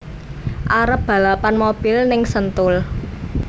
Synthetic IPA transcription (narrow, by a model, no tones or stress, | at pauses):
ʔaɾəp̚b̥a̤lapanmob̥ɪ̤lnɪŋsənt̪ʊl